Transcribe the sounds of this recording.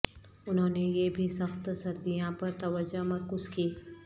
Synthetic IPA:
ʊnɦõːnejebʱisɐxt̪sɐɾd̪ijãpɐɾt̪ɐʋəd͡ʒamɐɾkʊzkiː

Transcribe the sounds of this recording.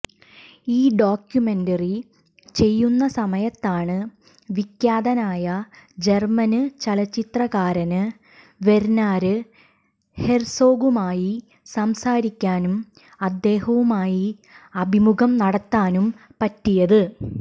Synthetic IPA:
iːɖoːkjume̞ndɐri | t͡ɕe̞jːunːɐsɐmɐjɐt̪ːaːɳɨ | ʋikjaːd̪ɐnaːjɐd͡ʑe̞rmɐnɨt͡ɕɐlɐt͡ɕːit̪rɐɣaːɾɐnɨ | ʋe̞ɾnaːɾɨ | he̞rso̞ːɡumaːji | sɐmsaːɾikʲːaːnum | ɐd̪ːe̞ːhɐʋumaːji | ɐbʱimuɣɐmnɐɽɐt̪ːaːnum | pɐtːijɐðɨ

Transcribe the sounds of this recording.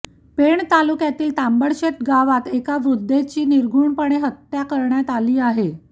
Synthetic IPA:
peɳt̪alukjat̪iːlt̪ambəɽɕet̪ɡaʋat̪ekaʋɾud̪ʱːet͡ɕiːniɾɡʱuːɳpəɳeɦət̪ːjakəɾɳjat̪aliːaɦe

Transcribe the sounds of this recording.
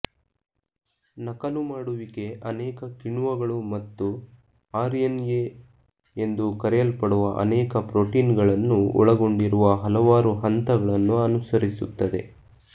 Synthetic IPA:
nɐkɐlumaːɽuʋike̞ʔɐnɛːkɐkiɳuʋɐɡɐɭumɐt̪ːu | aːɾenje | end̪ukɐɾɛjɐlpɐɽuʋɐʔɐ̰nɛːkɐpɾoʈiːnɡɐɭɐnːuɔ̰ɭɐɡo̞ɳɖiɾuʋɐɦɐlɐʋaːɾuɦɐnt̪ɐɡɐɭɐnːuɐnusɐɾisut̪ːɐd̪e̞̰

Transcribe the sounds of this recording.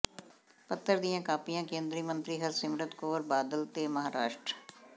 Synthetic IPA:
pət̪ːəɾd̪ijãːkaːpijãːkẽːnd̪ɾiːmə̃nt̪ɾiːɦəɾsɪmɾət̪koːɾbaːd̪əlt̪eːməɦaːɾaːʃʈɾ

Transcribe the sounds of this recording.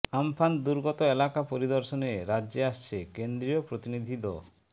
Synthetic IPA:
ampʰand̪uɾɡɔt̪ɔelakapoɾid̪ɔɾsɔneɾad͡ʒeast͡ʃʰekend̪ɾiɔpɾot̪inid̪ʱid̪ɔ̰

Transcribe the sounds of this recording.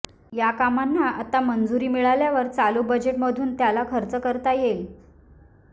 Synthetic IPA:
jakamanːaat̪amənd͡zuɾiːmiɭaljaʋəɾt͡salubəd͡ʑeʈməd̪ʱuːnt̪jalakʰəɾt͡səkəɾt̪ajel

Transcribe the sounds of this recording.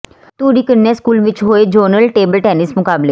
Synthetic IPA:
t̪uːɖiːkəɾnɛskuːlʋɪt͡ʃɦoːed͡ʒəːɾnəlʈeːbəlʈɛːnɪsmʊkaːbleː

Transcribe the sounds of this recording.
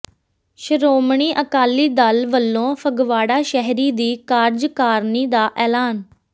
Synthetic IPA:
ʃəɾoːmɳ̃iːʔəkaːlːiːd̪alʋəlːõːfʰəɡʋaːɽaːʃɛɦɾiːd̪iːkaːɾd͡ʒkaːɾniːd̪aːʔɛːlaːn

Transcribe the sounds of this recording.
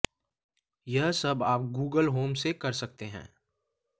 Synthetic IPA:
jɐɦsɐbaːp̚ɡuːɡəlɦoːmsekɐɾsɐk̚t̪eɦɛ̰̃ː

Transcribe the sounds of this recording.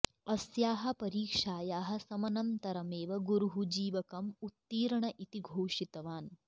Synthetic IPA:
ɐsjaːɦɐ̆pɐɾiːkʂaːjaːɦɐ̆sɐmɐnɐnt̪ɐɾɐmeːʋɐɡuɾuɦud͡ʒiːʋɐkɐmut̪ːiːɾɐɳɐʔit̪iɡʱoːʂit̪ɐʋaːn

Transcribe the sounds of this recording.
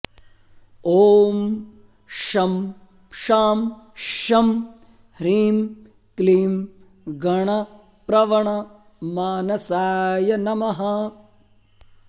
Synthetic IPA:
oːm | ʃɐm | ʃaːmʃɐm | ɾiːm | kliːm | ɡɐɳɐ | pɾɐʋɐɳɐ | maːnɐsaːjɐnɐmɐɦɐ

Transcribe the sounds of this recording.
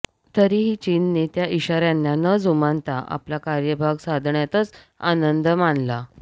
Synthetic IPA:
t̪əɾiːɦiːt͡ɕinːit̪jaiɕaɾjanːanəd͡zumant̪aʔa̰plakaɾjəbʱaɡsad̪ʱɳjat̪ət͡s | anənd̪manla

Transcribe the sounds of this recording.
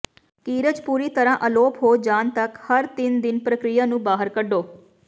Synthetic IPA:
kiːɾəd͡ʒpuːɾiːt̪əɾãːʔəloːpɦoːd͡ʒaːnt̪əkhəɾt̪ɪnd̪ɪnpɾəkɾɪjaːnũːbaːɦəɾkəɖoː

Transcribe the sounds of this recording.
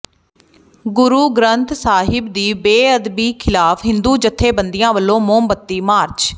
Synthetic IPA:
ɡʊɾuːɡɾənt̪saːɦɪbd̪iːbeːəd̪biːkʰɪlaːfɦɪ̃nd̪uːd͡ʒət̪ʰːeːbənd̪ɪjãːʋəlːõːmoːmbət̪ːiːmaːɾt͡ʃ

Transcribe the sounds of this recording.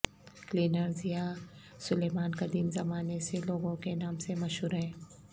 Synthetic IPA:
kliːnəɾzija | sʊleːmaːnkad̪iːmzɐmaːneseloːɡõkenaːmsemɐʃɦuːɾɦɛ̃ː

